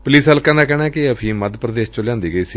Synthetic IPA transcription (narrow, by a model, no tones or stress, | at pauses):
pʊliːsəlkaːnaːkɛːɽ̃aːkɪəpʰiːməd̪pɾəd̪eːst͡ʃʊljãːnd̪iːɡəiːsiː